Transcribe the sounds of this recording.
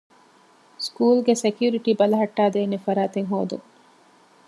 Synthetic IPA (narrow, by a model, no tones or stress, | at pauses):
skuːlɡesekjuɾiʈiːbɐlɐɦɐʈːaːd̪eːnefɐɾaːt̪eŋɦo̰ːd̪ṵŋ